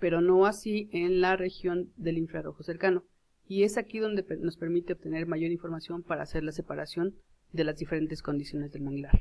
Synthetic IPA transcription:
pe̞ɾo̞no̞asienlare̞xjo̞nd̪e̞liɱfɾaɾo̞xo̞se̞ɾkano̞ | ie̞sakiðo̞nd̪e̞pno̞spe̞ɾmit̪e̞oβ̚t̪e̞ne̞ɾmaʝo̞ɾiɱfo̞ɾmasjo̞mpaɾa̰ːse̞ɾlase̞paɾasjo̞n | d̪e̞lazðife̞ɾe̞nt̪e̞sko̞nd̪isjo̞ne̞zðe̞lmãŋɡlaɾ

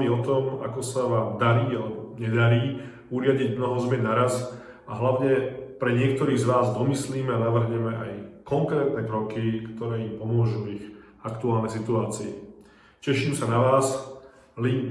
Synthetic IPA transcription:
iɔt̪ɔma̰kɔsaʋaːmd̪aɾiːalɛbɔɲɛd̪aɾiː | uɾɪaɟiɟmnɔɦɔzmɛnaɾas | aɦlaʊɲɛpɾɛɲɪɛk̚t̪ɔɾiːɣzʋaːzd̪ɔmisliːmɛanaʋr̩ɦɲɛmɛʔajkɔŋkɾɛːt̪nɛkɾɔkikt̪ɔɾɛːimpɔmʊɔʒuiɣ | akt̪uaːlnɛjs̬it̪uaːt͡siɛ | cɛʃiːmsanaʋaːs | li

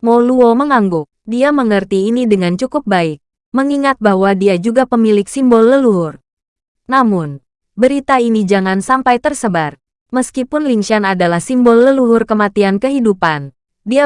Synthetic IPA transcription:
moluoməŋaŋɡʊk̚diaməŋərt̪iːnidəŋant͡ʃukʊp̚baɪk̚ | məŋiŋat̪̚bahwadiad͡ʒuɡapəmilɪk̚simbɔlːəluɦʊr | namʊn | bəɾit̪ainid͡ʒaŋansampajt̪ərsəbar | məskipʊnliŋʃianadalahsimbɔlːəluɦʊrkəmat̪iankəɦidupan | dia

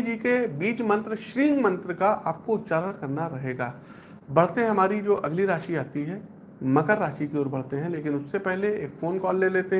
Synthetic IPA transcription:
d͡ʒiːkebiːt͡ʃmɐ̃nt̪ɾəʃɾiːŋɡmɐ̃nt̪ɾəkaʔaːp̚koʊt̪ʃaːɾəɽkɐɾnaɾɐɦeːɡaː | bɐɽ̤t̪ẽɦɐmaːɾid͡ʒoːʔɐɡliɾaːʃiaːt̪iɦɛː | mɐkəɾːaːʃikeɔːɾbɐɽ̤t̪eɦɛ̃leːkɪnʊsːepɛɦleeːkfoːnkɔːlːeleːt̪eɦ

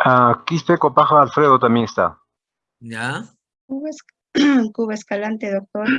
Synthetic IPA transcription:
akisp̪ekopaxaalfɾeðot̪amjeŋest̪a̰ | ja | kuβes | kuβeskalant̪eðok̚t̪oɾ

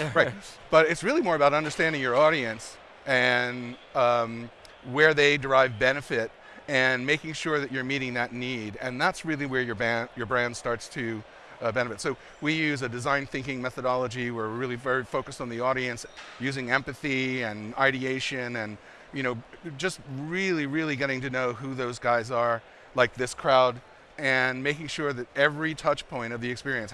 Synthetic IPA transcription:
ɹaɪt̚b̥ʌɾɨtsɹɪlˠimɔɹəbaʊɾʌ̃ndə˞stæ̃ndɪ̃ŋjə˞ɔɾiɨ̃ns | ɨ̃nʌ̃m | wə˞ðeɪdə˞aɪvbɛnɨfɪɾ | ɨ̃nmeɪkɪ̃ŋʃʊɹðɨt͡ʃə˞miɾɪ̃ŋðɨtⁿniɾɨ̃nðætsɹɪlˠiwə˞jə˞bæ̃njə˞bɹæ̃nd̥stɑɹtstʰɨ | bɛnɨfɨtsoʊ | wijʉzɨdɨzãɪ̃nθɪ̃ŋkɪ̃ŋmɛθəɾɑlˠəd͡ʒiwə˞ɹɪlˠivɛɹifoʊkɨstn̩ðiɔɾiɨ̃nsjʉzɪ̃ŋɛ̃mpɨθiɨ̃naɪɾieɪʃɨ̃nɨ̃n | jɨñoʊd͡ʒʌst̚ɹɪlˠiɹɪlˠiɡɛɾɪ̃ŋtɨnoʊɦuðoʊzɡaɪzə˞ | laɪk̚ðɪskʰɹ̥aʊɾ | ɨ̃nmeɪkɪ̃ŋʃʊɹðɨɾɛvɹitʰʌt͡ʃpʰɔ̃ɪ̃ñʌvðiɨkspɪɹiɨ̃ns

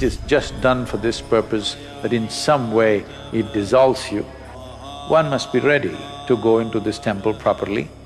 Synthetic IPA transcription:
tɨzd͡ʒʌstd̥ʌ̃nfɔ˞ðɪspɜ˞pɨs | ðɨɾɨ̃nsʌ̃mweɪ | ɪt̚d̥ɪzɔlˠsju | wʔʌ̃nmʌst̚b̥iɹɛɾḭ | tuɡoʊɪ̃nʈuðɪstʰɛ̃mpəlˠpʰɹ̥ɑpə˞lḭ

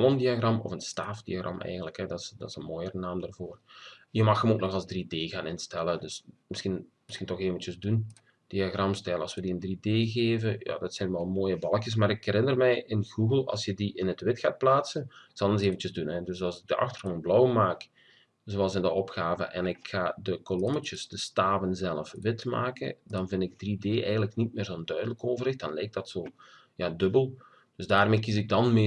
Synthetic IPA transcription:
lˠɔndiaɣrɑmɔ̰fənstaːfd̥ḭaɣrɑ̰mʔɛ̰jɣəndləkɦɛdɑtsdɑsənmoːjəɾənaːmdarvoːrjəmɑxəmoːknɔxɑlˠzdrideːɣaːnɪnstɛlədɵsmɪsxinmɪsxintɔxeːvənt͡ʃəzdun | d̥iaɣrɑmstɛləɑlˠswədiəndrideːɣeːvəja̰ːdɑtsɛjnʋɛlˠmoːjəbɑlˠkjəs̬maːɾɪkɛɾɪnərmɛjʔɪnɣuɣəlˠɑ̰lˠsjədiʔɪnətʋɪtxaːt̚plaːtsəntsɑlˠənzeːvən̩t͡ʃəzdunɛdɵsɑlˠsɪɡ̚dəʔɑ̰xtərɣoːnblɔwmaːk | zowɑlˠzɪndəɔpxaːvə̰ʔɛ̰nɪkxaːdəkolɔmət͡ʃəsdəstaːvənzɛləfʋɪtma̰ːkə̰ndɑnvɪndɪɡ̚drideːʔɛjɣənləknit̚mɪːrzoːəndœɥdələkoːvərɪxt̚d̥ɑnlɛjk̚d̥ɑtsoː | jaːdɵbəlˠ | d̥ɵzdaːrmeːkizɪɡ̚dɑnme

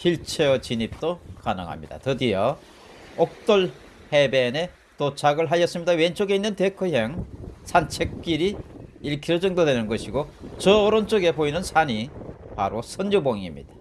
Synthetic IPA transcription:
kiɭt͡ɕʰet͡ɕiɲip̚t͈okanɯ̰ŋɦa̰mɲida̰tɯdijʌ | ok̚t͈oɭ | he̞be̞ne̞ | tot͡ɕʰaɡɯɭɦajʌs͈ɯmɲidawent͡ɕ͈oɡe̞inːɯnte̞kʰɯɦeŋsʰant͡ɕʰek̚k͈iɾiiɭkʰiɾod͡ʑʌŋdodwenɯnɡʌɕʰiɡot͡ɕʌːɾʌnt͡ɕ͈oɡe̞poinɯnsʰaɲipa̰ɾosʰʌnuboŋimɲḭd̥ḁ

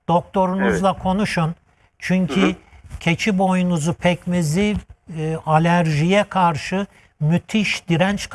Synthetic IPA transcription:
d̪̥o̞k̚t̪ʰo̞ɾunuzlˠakʰo̞nuʃun | t͡ʃʰyɲcʰicʰe̞t͡ʃʰibo̞junuzupʰɛcmizi | alʲæɾʒijɛkʰaɾʃɯ | myt̪ʰiʃd̪iɾɛnt͡ʃk

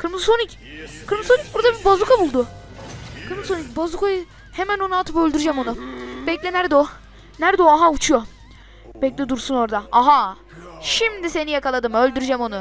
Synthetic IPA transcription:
kʰɯɾmɯzsonic | kʰɯɾmɯzsonic̚buɾd̪abibazˠukʰabulˠd̪ʊ | kʰɯɾmzsonicbazˠukʰajɯ | he̞mæno̞nualˠt̪ɯpølʲd̪yɾyd͡ʒɛmonub̥ɛclʲɛnæɾd̪ɛo | næɾd̪ɛoaɦaut͡ʃʰujo | bɛclʲɛd̪uɾsuno̞ɾd̪aaɦa | ʃimd̪ise̞nijakalˠad̪ɯmø̞lʲd̪yɾyd͡ʒɛmo̞nʊ

